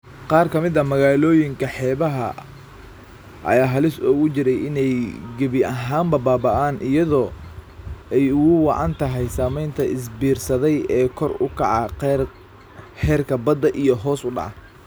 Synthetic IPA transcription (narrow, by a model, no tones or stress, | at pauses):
qɑːrkʰɐmɪðɐmɐɣaːlɔːjɪŋkʰɐħɛːβɐɦɐ | ʔɐ̰jaːɦɐlɪsɔːɣʊt͡ʃɪɾɛjɪnɛjɡɐβɪʔɐɦaːmbɐbaːbɐʔaːnʔɪjɐðɔː | ɛjʊɣʊwɑ̰ʕɑ̰nt̪ʰɐɦɛjsaːmɛjnt̪ʰɐʔɪs̬biːrsɐðɛjɛːkʰɔrʊkʰɑ̰ʕɑ | hɛːrkʰɐbɐd̪ːɐʔijɔɦɔːsʊɖɑ̰ʕɑ